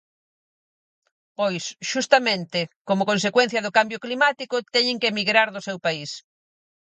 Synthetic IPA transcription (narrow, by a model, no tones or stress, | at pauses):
pojsʃust̪ɐmẽnt̪ɪkomʊkõnsekwɛn̟θjɐðʊkambjʊklimat̪ikʊt̪ɛɲɪ̃ŋkemiɣɾaɾðʊsewpais